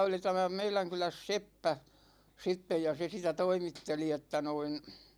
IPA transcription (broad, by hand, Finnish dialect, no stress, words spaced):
oli tæmæ meilæŋ kylæs sepːæ sitːe jɑ se sitæ toimitːeli etːæ noin